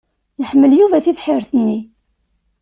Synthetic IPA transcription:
nəħmːəljuvæθifħɪɾθənːi

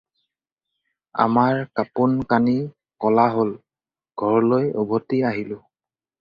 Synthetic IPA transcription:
a̰maɹkapunkani | kɔlaɦol | ɡ̥ʱɔɹlojɔ̰bʱotiaɦilʊ̃

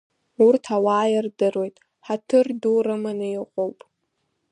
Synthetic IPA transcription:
urtʰawaːjɪrdɨrwo̞jtʼ | ħatʰɨrdurɨmanɨjɪqʼowpʼ

